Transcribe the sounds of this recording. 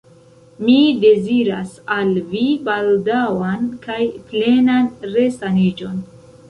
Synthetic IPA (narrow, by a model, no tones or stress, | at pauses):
mide̞ziɾa̰salvibaldawankajple̞nanɾe̞stanid͡ʒo̞n